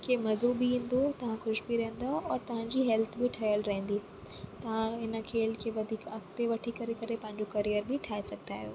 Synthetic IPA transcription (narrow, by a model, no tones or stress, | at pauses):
kʰemɐzuːbɪɦĩːn̆d̪ot̪ɐʋ̤ãxʊʃbiɾɐɦə̃n̆d̪aɔːɾt̪ɐʋ̤ãɲd͡ʑiːɦɛːlt̪ʰbɪʈʰɐjəlɾɐɦə̃n̆d̪i | t̪ɐʋ̤ãɦɪnə̆kʰeːlkʰeːʋɐd̪ʱiːkɐkt̪eʋɐʈʰikɐɾekɐɾepɐ̃ɦɪ̃ɲd͡ʑokɐɾijəɾbɪʈʰaːesɐɡ̚ʱt̪aːɦjo̰ː